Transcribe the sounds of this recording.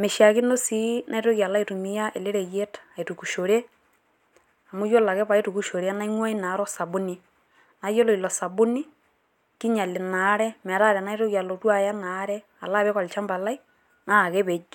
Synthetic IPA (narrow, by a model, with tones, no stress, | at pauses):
me˨ʃa˨ki˦no˦si˦nʔa˦i˦to˦ɣja˨la˦i˦tu˨mi˦ja˦ʔe˨le˦ɾe˨je˦tḁ˨e˨tu˨ku˨ʃo˨ɾe˦ | a˨mu˦jo˦la˨ke˦βa˨e˦tu˨ku˨ʃo˨ɾe˦a˦na˦i˦ŋwa˦i˦na˨˦ɾɔ˦sa˨βu˦ni˦ | na˨jo˦lo˨i˨lɔ˨sa˨βu˦ni˦ | ki˦ɲa˨le˨na˨˦ɾɛ˦m˨a˨ɾa˦ɾɛ˨na˦i˦ɾo˦ɣja˨lo˨twa˦ja˦na˦ɾɛ˦ | a̰˨la˦˨βe˦ka˨li˨t͡ʃa˦mba˨la˦i˦ | na˦˨ɣe˦βe˨d͡ʒ